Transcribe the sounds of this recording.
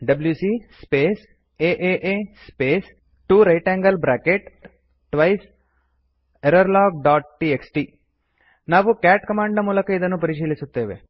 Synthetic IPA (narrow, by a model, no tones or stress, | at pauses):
ɖɐbljuːsispeːs | eːʔeːʔeːspeːs | ʈuːɾɐjʈɛ̃ːŋɡəlbɾaːkeʈ | ʈʋɐis | eɾəɾlaːɡ̚ɖaːʈ̚ʈieksʈiː | naːʋukɛːʈkɐmaːɳɖnɐmuːləkɐɪd̪ɐnũpɐɾɪt͡ʃiːlisut̪ːeːʋḛ